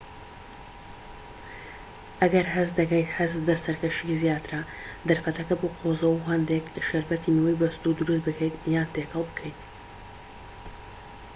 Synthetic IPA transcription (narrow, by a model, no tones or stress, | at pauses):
ʔɐɡɐɾɦɨzd̪ɐkɐjt̪hɨzbɐsɐɾkɐʃizjaːt̪ɨɾad̪ɐɾfɐt̪ɐkɐboːqʰozɐwuɦɐnd̪ekʃɐɾbɐt̪ʰinɨwɛjbɐst̪ud̪uɾɨsbɨkʰejt̪jaːnt̪eːkhɐlˠbɨkʰɛjt̪